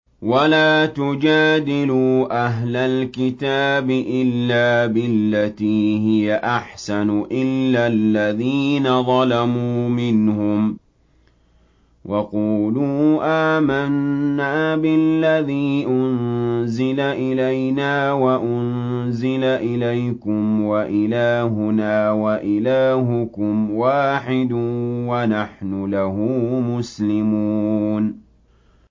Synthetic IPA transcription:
walaːt̪ʊd͡ʒaːd̪ɪluːʔaɦlalkɪt̪aːbɪʔɪlːaːbɪlːat̪iːɦɪjaʔaħsanʊʔɪlːalːaðiːnaðˤɑlamuːmɪnhʊm | wʔɑquːluːʔaːmanːaːbɪllːaðiːʔʊnzɪlaʔɪlajnaːwaʔʊn | zɪlaʔɪlajkʊmwaʔɪlaːɦʊnaːwaʔɪlaːɦʊkʊmwaːħɪd̪wanaħnʊlaɦʊːmʊslɪmuːn

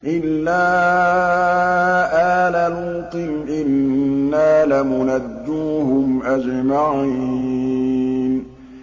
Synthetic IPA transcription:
ʔɪlːaː | ʔaːlaluːq̪ɨmʔɪnːaːlamʊnad̪ːuːhʊmʔad͡ʒmaʕi | n

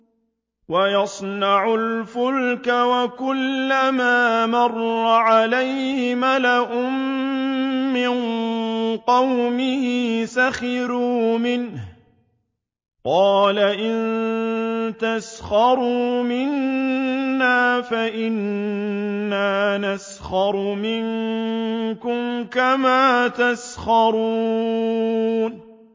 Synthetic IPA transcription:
wajɑsˤnɑʕʊlfʊlkawakʊlːamaːmɑrˤːɑʕalajhɪmalaʔʊmmː | ɪn | qɑwmɪhɪsaxɪɾuːmɪnh | qɑːlaʔɪn | t̪asxɑɾˤuːmɪnː | aːfaʔɪnː | aːnas | xɑɾˤmɪŋ | kʊmkamaːt̪asxɑɾˤuː | n

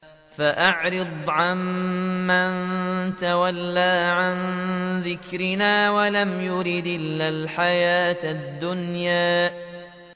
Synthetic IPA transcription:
faʔaʕɾɨd̪ˤʕamːant̪awalːaːʕanðɪkɾɪnaːwalamjʊɾɪd̪ɪlːalħajaːt̪d̪ːʊnjaː

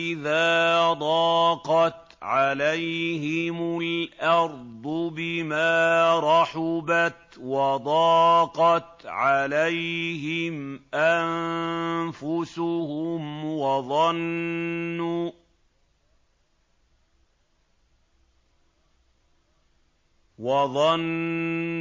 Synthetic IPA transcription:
ɪðaːd̪ˤɑːqɑt̪ | ʕalajhɪmʊlʔɑɾˤd̪ˤʊbɪmaːɾˤɑħʊbat̪wɑd̪ˤɑːqɑt̪ʕalajhɪmʔan | fʊsʊhʊmwɑðˤɑnː | ʊ | wɑðˤɑn

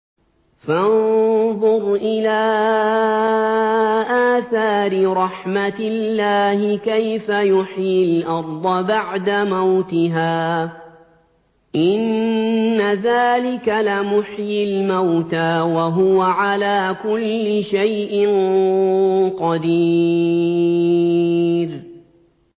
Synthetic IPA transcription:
fanðˤʊɾʔɪlaː | ʔaːθaːɾɪɾˤɑħmat̪ɪlːaːhɪkajfajʊħjɪlʔɑɾˤd̪ˤɑbaʕd̪amawt̪ɪɦaː | ʔɪnː | aðaːlɪkalɪmʊħjɪlmawt̪aːwaɦʊwaʕalaːkʊlːɪʃajʔɪn | qɑd̪i | ɾ

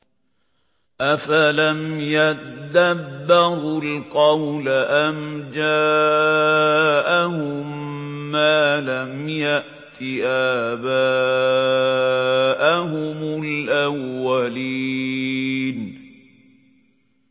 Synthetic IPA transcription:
ʔafalamjad̪abːɪɾʊlqɑwlaʔamd͡ʒaː | ʔahʊmː | aːlamjaʔ | t̪ʰɪʔabaː | ʔaɦʊmʊlʔawːali | n

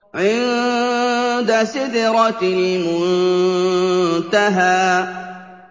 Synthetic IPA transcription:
ʕɪn | d̪asɪd̪ɪɾɑt̪ɪmʊn | t̪aɦaː

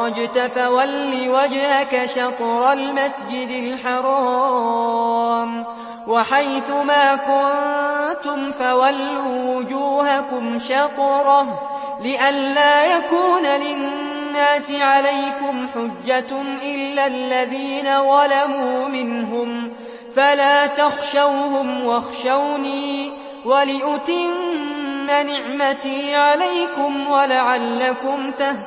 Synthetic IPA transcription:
ɑd͡ʒt̪atawalːiwad͡ʒhakaʃɑqɾˤalmasd͡ʒɪd̪ɪlħɑɾˤɑ | m | waħajθʊmaːkʊnt̪ʊmfawalːuːwʊd͡ʒuːhakʊmʃɑqɾˤɑ | lɪʔanlaːjakuːnalɪnː | aːsɪʕalajkʊmħʊd͡ʒːatʔɪlːalːaðiːnaðˤɑlamuːmɪnɦʊm | falaːt̪ɑxʃawhʊmwɑxʃawniː | walɪʔʊt̪ɪmː | anɪʕmat̪iːʕalajkʊmwalaʕalːakʊmt̪ah

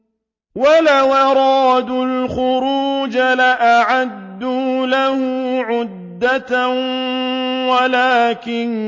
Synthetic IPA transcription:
walawɑɾˤɑːd̪ʊlxʊɾuːd͡ʒalaʔaʕad̪ːulahʊʕʊd̪ːat̪ | walaːkɪn

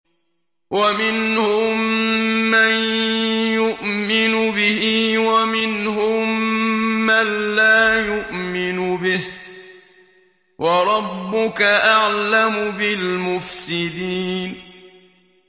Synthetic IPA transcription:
wʔamɪnhʊmː | anjʊʔmɪnʊbɪhiːwamɪnhʊmː | anːaːjʊʔmɪnʊbɪh | wʔɑɾˤɑbːʊkaʔaʕlamʊbɪlmʊfsɪd̪iːn

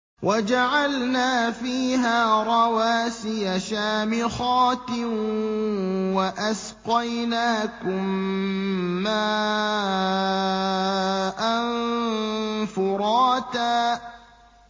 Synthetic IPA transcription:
wʔad͡ʒaʕalnaːfiːɦaːɾˤɑwaːsɪjaʃaːmɪɣɑːt̪ɪ | waʔasqɑjnaːkʊmː | aː | ʔan | fʊɾˤɑːt̪aː

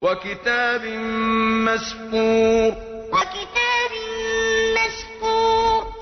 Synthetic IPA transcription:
wakɪt̪aːbɪmaskuːɾ | wakɪt̪aːbɪmaskuːɾ

